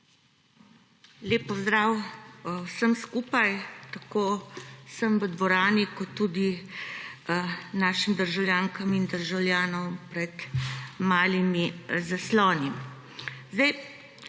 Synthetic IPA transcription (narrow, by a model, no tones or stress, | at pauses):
leːpːɔzd̪ɾaːwwsəmskuːpajt̪akoːsəmʋəd̪ʋɔɾaːnikɔt̪ːuːd̪i | naːʃimd̪əɾʒawlʲjaːŋkamind̪əɾʒawljaːnɔmpɾɛt̪maːlimizaslɔːni | zd̪aj